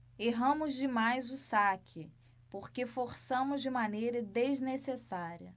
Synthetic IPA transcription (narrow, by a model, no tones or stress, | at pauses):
eɦɐ̃mʊzd͡ʒɪmajzʊsakʰɪ | poχkefoɾsɐ̃mʊzd͡ʒɪmanejɾɐd̪eznesesaɾiɐ